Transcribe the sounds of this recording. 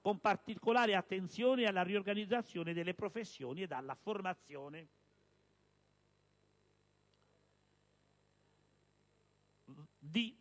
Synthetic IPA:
kompart̪ikolaːɾeat̪ːent̪sjɔːnɪalːariorɡanid̪zːat̪sːjɔːnɪd̪elːepɾofesːjɔːnied̪alːaformat̪sːjɔːne | d̪i

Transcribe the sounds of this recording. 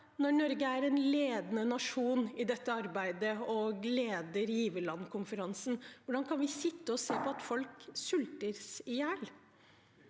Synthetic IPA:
nɔɳɔɾɡəæɾɛnleːd̪nənɑʂuːnɪd̪ɛt̪ːəɑɾbæɪd̪əɔɡleːd̪əɾjiːʋəlɑnkʰʊmfəɾɑnsn̩ʋʊɖɑnkʰɑnʋɪsɪt̪ːəɔseːpɔɑt̪fɔlksʉlt̪əɾsɪjæːl

